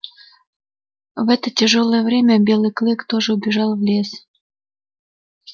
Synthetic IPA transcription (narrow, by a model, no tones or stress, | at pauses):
vɛt̪ətʲeʒolˠəjəvɾʲemʲəbʲelʲeklekt̪oʒəubʲeʒɑlvlʲes